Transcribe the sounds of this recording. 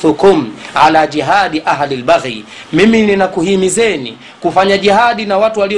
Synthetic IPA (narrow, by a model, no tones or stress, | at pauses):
θukumʕalad͡ʒiɦaɗiʔaɦlilɓaɣɾi | mimininakuhimizɛnḭ | kufaɲaʄihaɗinawatuwali